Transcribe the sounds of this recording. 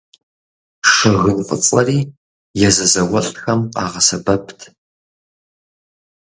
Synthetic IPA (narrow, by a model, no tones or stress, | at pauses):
ʂɨɣɨnfʼɨ̰t͡sʼɐriː | jɛzɐzɐwɐɬʼtxɐmqɑ̰ːʁɐsɐbɐpʰtʰ